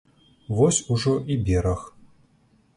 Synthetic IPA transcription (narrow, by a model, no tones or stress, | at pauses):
vɔsʲuʐɔʔibʲɛɾɐx